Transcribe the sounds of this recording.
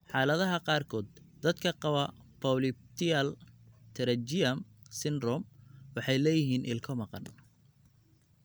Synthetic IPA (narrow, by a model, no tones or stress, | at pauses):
ħɑːlɐðɐɦɐqɑːrkʰɔːd̪̚ | d̪ɐd̪kʰɐqɑwɐ | pʰɔwlɪb̚t̪ʰɪɐlt̪ʰɛɾɐd͡ʒɪjɐmsɪnrɔmwɑħɑjlɛːjɪɦiːnʔɪlkʰɔmɑqɑn